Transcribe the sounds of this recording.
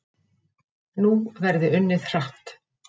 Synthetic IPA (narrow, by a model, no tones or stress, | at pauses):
nuvɛɾðɪʏnːɪðr̥aht̪